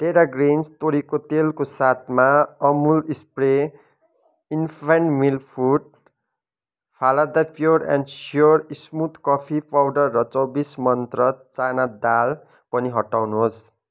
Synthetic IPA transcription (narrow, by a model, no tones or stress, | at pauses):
ʈeɾaɡrenst̪oɾikot̪elkosat̪ʰmaʌmulispre | inpʰanmilpʰuʈ̚ | pʰalad̪apʰjoɾa̰nɖsjorismut̪kʌpʰipawɖʌrːʌt͡sʌwbismʌnt̪rʌt͡sanad̪al | pʌniɦʌʈːawnuɦos